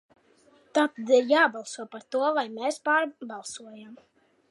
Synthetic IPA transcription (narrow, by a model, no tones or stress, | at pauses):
t̪at̪ad̪iɾjaːbalˠsuɔpaɾt̪uɔvajmeːspaːɾbalˠsuɔjam